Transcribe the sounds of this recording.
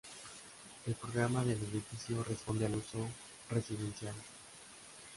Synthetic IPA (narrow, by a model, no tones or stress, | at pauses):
e̞lpɾoɣɾamaðe̞leðifisjo̞respo̞nd̪ealuso | re̞siðe̞nsjal